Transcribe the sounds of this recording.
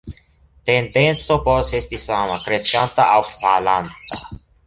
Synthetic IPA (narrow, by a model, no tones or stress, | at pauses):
t̪end̪ent̪sopɔsest̪isamakɾeskant̪aʔawfpalant̪a̰